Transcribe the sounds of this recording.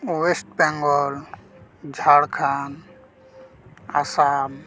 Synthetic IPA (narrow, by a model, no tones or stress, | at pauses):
wesʈ̚pɛ̃ŋɡɔl | d͡ʒʱaɽkʰan | a̰sab